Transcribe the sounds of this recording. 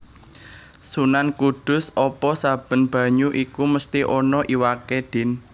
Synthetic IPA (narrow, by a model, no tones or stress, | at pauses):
sunankuɖ̥ʊ̤sɔpɔsab̥ə̤nb̥ä̤ɲuʔikuməst̪iʔɔnɔʔiwakeɖ̥ɪ̤n